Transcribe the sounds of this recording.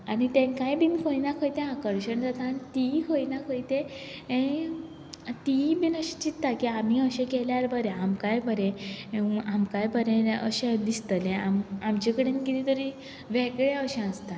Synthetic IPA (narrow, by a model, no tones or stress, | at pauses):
anit̪ẽkajbinkʰəjnakʰəjt̪ẽakəɾɕəɳd͡zat̪aːnit̪ikʰəjnakʰəjt̪ẽ | ẽ | t̪ibinəɕẽ̥t͡ɕit̪ːakiam̤iəɕẽkɛljaɾbəɾeamkajbʱəɾẽ | amkajbəɾẽəɕẽd̪ist̪əlẽamamt͡ɕekəɽenɡit̪it̪əɾi | ʋɛɡɭeəɕẽəst̪a